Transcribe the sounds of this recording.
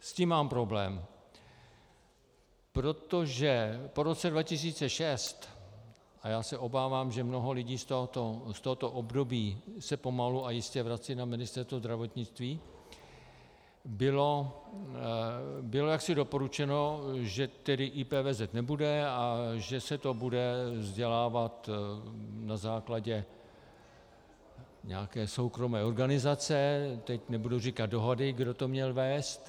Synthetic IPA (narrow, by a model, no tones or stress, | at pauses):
sciːmːaːmpɾo̞blɛːm | pɾo̞t̪o̞ʒɛpo̞ɾo̞t͡sɛdvacɪs̬iːt͡sɛʃɛst̪ | ʔajaːsɛʔo̞baːvaːmʒɛmno̞ɦo̞lɪɟiːst̪oɦt̪ost̪oɦot̪o̞ʔobdo̞biːsɛpo̞maluajɪscɛvɾat͡siːnamɪnɪst̪ɛɾst̪vozd̪ɾavo̞t̪ɲɪt͡st̪viː | bɪlo̞ | bɪlo̞jaksɪdo̞po̞ɾut͡ʃɛno̞ʒɛt̪ɛdɪʔiːpɛːvɛzɛt̪nɛbudɛaʒɛsɛt̪o̞budɛvzɟɛlaːvat̪ | nazaːklaɟɛ | ɲɛaakɛːso̞wkɾo̞mɛːo̞ɾɡanɪzat͡sɛt̪ɛcnɛbudowrikat̪̚do̞ɦodɪɡdot̪omɲɛlvɛːst̪